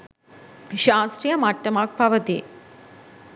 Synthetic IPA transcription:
ʃaːst̪ɾijəmat̪ːɐmak̚pɐʋət̪i

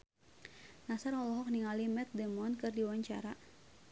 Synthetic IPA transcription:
nasarɔlɔɦɔk̚niŋalimɛt̪̚dɛmɔnkɨrdiwaɲt͡ʃa̰ɾa

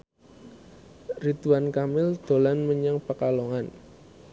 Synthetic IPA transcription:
rit̪uwankamɪld̪̥o̤lanməɲəŋpəkalɔŋan

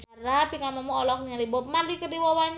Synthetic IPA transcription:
t͡ʃaɾapiŋamamɔːlɔk̚ɲalibɔmardikədiwawaɲ

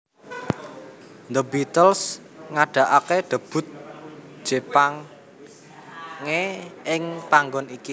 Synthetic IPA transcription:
nd̪əbit̪əls | ŋaɖ̥a̤ʔakeɖ̪̥ə̤b̥ʊ̤t̪̚ | ʒ̥e̤paŋ | eɪŋpaŋɡɔniki

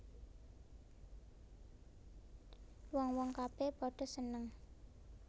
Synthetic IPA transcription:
wɔŋwɔŋkab̥ebɔɖ̥ɔ̤sənəŋ

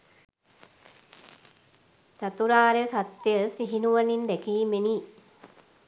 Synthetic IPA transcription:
sat̪uɾaːɾesat̪ːjəsiɦinuʋanind̪ækiːmeni

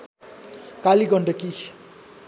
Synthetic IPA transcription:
kaliɡʌɳɖʌki

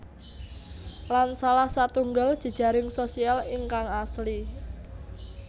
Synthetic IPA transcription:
lansalahsat̪uŋɡəld̥ʒ̥ə̤d̥ʒ̥a̤ɾɪŋsosialɪŋkaŋasli

